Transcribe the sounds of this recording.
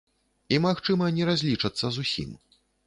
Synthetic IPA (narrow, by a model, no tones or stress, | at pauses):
imaxt͡ʂɨmɐnʲɛɾazʲlʲit͡ʂɐt̪sːɐzusʲḭm